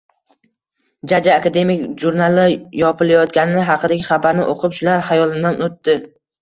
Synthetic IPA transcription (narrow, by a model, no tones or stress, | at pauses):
d͡ʒad͡ʒaːkad̪e̞mɪkʲʒuɾnalˠɪjɒpɪlajɒt̪̚ɡʲanɪnɪɦɑqʰɨd̪aɡʲɪχɑbaɾnɪ̰ʔoqʰɨpʃʊlaɾhajɒlˠɪd̪anot̪ːɪ